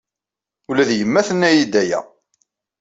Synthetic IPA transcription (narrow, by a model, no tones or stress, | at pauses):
ulæðjəmːæθənːæjid̪æjæ̰